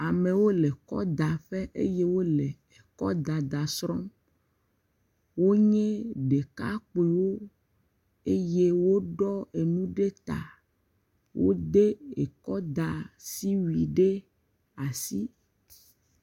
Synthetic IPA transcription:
a˨mẽ˨wo˦le˨kɔ̰˦d̪a˨ɸe˦ʔḛ˦je˦wo˦le˨ | e˨kɔ̰˦d̪a˨d̪a˨sɾɔ̃˦ | wo˦ɲɛ̃˦ɖe˨ka˦k͡pe˨wo˦ | e˦je˦wo˦ɖɔ˦e˨nũ˦ɖe˦t̪a̰˨ | wʔo̰˦d̪e˦e˨kɔ˦d̪a˨si˦wi˨ɖe˦ | a˨si˦

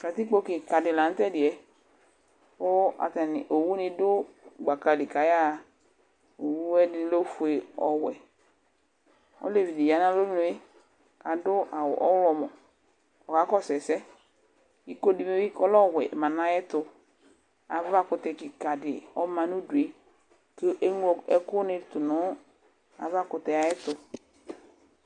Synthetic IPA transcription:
ka˨t̪i˦k͡po˧kɪ˨ka˨dɪ˨la˨n̩˦tɛ˦˨dɪ˨ɛ˨ | o˦a̰˨t̪ɛ˨nɪ˨ʔo˨wu˦nɪ˧dʊ˦ɡ͡ba˨ka˧li˨ka˨ja˦˧˨ | o˨wu˦ɛ˦dɪ˦lo˦fu˧e˧ɔ˨wɛ˨ | ɔ̰˦le˨vi˨di˨ja˨˦nã˦lo˦nʊ˧˦e˦ | ka˨dʊ˦ʔa˨wɔ̰˨ʔɔ̰˦wlɔ˧mɔ˨ | ɔ˨ka˨˦kɔ˦sɛ˨sɛ˦ | i˦ko˦di˨me˦i˦kɔ˦lɔ˦˨wɛ˨mã˨nã˦jɛ˦tʊ˨ | a˨va˦kʊ˨tɛ˨kɪ˨ka˨dɪ˨ɔ˦mã˨nu˦du˨e˨ | ke˦ʔe˦ŋ˦ɔ˨ɛ˦kʊ˦nɪ˨t̪ʊ˨nɔ˨˦ | a̰˨va˦kʊ˨tɛ˨a˨jɛ˦tʊ˨

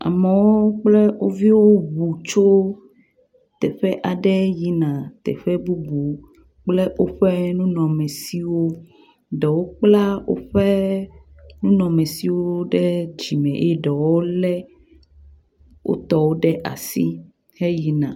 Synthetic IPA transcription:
a̰˨mɛ˨wo˦k͡plɛ˦wo˦vi˦wo˦bu˨t͡ʃo˦ | t̪ɛ˨ɸɛ˦ʔa˨ɖɛ˦ji˦nã˨t̪ɛ̰˨ɸɛ˦bu˦bu˨ | k͡plɛ˦wo˦ɸɛ˦nũ˦nɔ̃˨mɛ̃˨si˦wo˦ | ɖɛ˨wo˦k͡pla˦wo̰˦ɸɛ˦ | nũ˦nɔ̃˨mɛ̃˨si˦wo˦ɖɛ˦d͡ʑi˨mɛ̃˨ʔe˦ɖɛ˨wo˦lɛ˦ | wʔo̰˦t̪ɔ˦wo˦ɖɛ˦ʔa̰˨sḭ˦ | hɛ˦ji˨nã̰˨

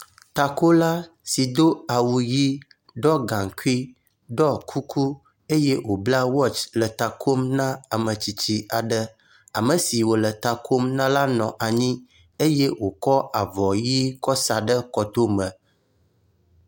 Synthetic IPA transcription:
t̪a˨ko˦la˦ | si˨d̪o˦a˨wu˨ji˦ | ɖɔ˦ɡã˨ŋku˦i˦ | ɖɔ˦kʰu˦kʰu˦ | e˦je˦wo˨bla˦wɔ˦t͡ʃlə˨t̪a˨kʰo˦mnã˦a˨mə̃˨t͡ɕi˨t͡ɕi˦a˨ɖə˦ | a˨mə̃˨si˨wo˨lə˨t̪a˨kʰo˦mnã˦la˦nɔ̃˨ʔa˨ɲĩ˦ | e˦je˦wo˨kɔ˦a˨vɔ˨ji˦kɔ˦sa˨ɖə˦kɔ˨t̪o˦mə̃˨

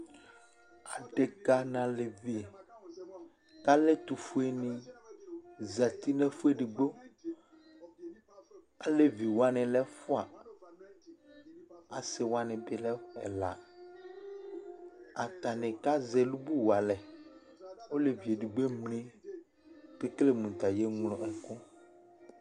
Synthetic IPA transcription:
a˨ɖe˨ka˦nã˨le˨vi˦e˨ | ka˦le˦t̪u˨fu˦e˦nĩ˨ | za˨t̪i˦nɛ̃˦fu˦e˦ɖi˨ɡ͡bo˦ | a˨le˦vi˨wa˦nɛ̃˨lɛ˦fu˦a˨ | a˨se˨wa˦nɛ̃˨be˨lɛ˦ɛ̰˨la˨ | a˨ta˨nẽ˨ka˦zɛ˨lu˦bu˦wa˨lɛ˨ | wo˦le˨vi˨e˨ɖi˨ɡ͡be˦mnẽ˦ | ke˦kle˦mũ˨t̪a˨je˦ŋlɔ̃˨ʔɛ˨kɔ˦

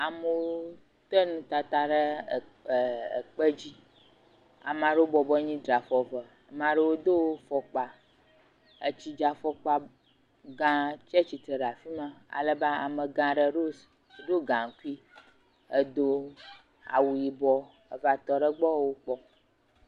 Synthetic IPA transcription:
a˨mə˨wo˦ | t̪ə˦nũ˦t̪a˨t̪a˨ɖə˦˨ | k͡pə˦d͡ʑi˦ | a̰˨mã˨ɖə˦o˦bɔ˨bɔ˦ɲĩ˦dɾa˨fɔ˨və˨ | a˨mã˨ɖə˦wo˦d̪o˦wo˦fɔ˨k͡pa˨ | ə˨t͡ɕi˦d͡ʒa˨fɔ˦k͡pa˦ | ɡã˦t͡ʃɛ˦t͡ʃi˨t̪ɾə˨ɖa˨fi˦mã˦a̰˨lə˦ba˦a̰˨mə˨ɡã˨ɖə˦ɖo˦s | ɖ̪o˦ɡã˨ŋ˨ku˦i˦ | ə˦d̪o˦ | a̰˨wu˨ji˨bɔ˦ | ə˨va˨t̪ɔ˨ɖə˦ɡ͡bɔ˦wo˦k͡pɔ˦

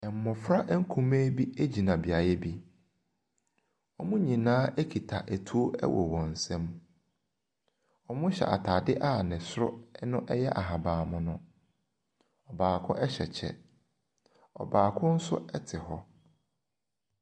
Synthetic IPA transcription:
ɛ˨m̩˨mɔ̃˨fɾa˦ʔŋ̩˦kʰũ˨meː˦bi˦e˦d͡ʑi˨nã˨bi˨a˨jɛ˦bi˦ | ɔ˦mʊ̃˦ɲĩ˨nãː˦e˦kʰi˨tʰa˨ʔæ˨tʰu˦o˦ɛ̰˦wʔɔ̰˨wɔ̃˨n̩˨sɛ̃˦m | ɔ˨mʊ̃˦ɕɛ̰˨ʔa̰˨tʰaː˨dɪ˦ʔaː˦˨nɪ̃˨sʊ˦ɾʊ̰˦nʊ̃˦ʔɛ˦jɛ˦ʔa˨ɦa˨bãː˨mʊ̃˦nʊ̃˦ | ɔ˨baː˨kʰʊ̰̃˦ʔɛ˦ɕɛ˨t͡ɕʰɛ̰˦ | ɔ̰˨baː˨kʰʊ̃˦n̩˦sʊ̰˦ɛ˦tʰɪ˨hɔ˦

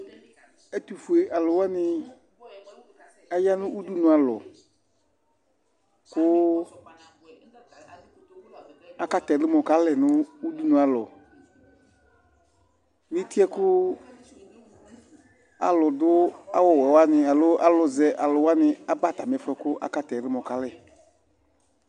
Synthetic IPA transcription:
ɛ˦t̪u˨fu˨e˨ʔa˨lʊ˨wa˦nɪ˨ | a˦ja˦nʊ̃˦ʔu˦du˦nʊ̃˨a˨lɔ̰˨ | kʊ˦ | a˨ka˦t̪ɛ˨lɪ˦mɔ̃˨ka˦lɛ˨nʊ̃˦u˦du˦nũ˨a˨lɔ̰˨ | mĩ˦ti˦ɛ˦kʊ˦ | a̰˨lɔ˨dʊ˦a˦wɔ˨wɔ˨wa˦nɪ˨a˨lʊ˦ʔa˦lʊ˨zɛ˨ʔa˨lʊ˨wa˦nɪ˨a˦ba˦˨ta˨mɪ˨ɛ˦fɛ˨˦kʊ˦ʔa̰˦ka˦tɛ˨ɾɪ˦mɔ̃˨ka˨lɛ˨

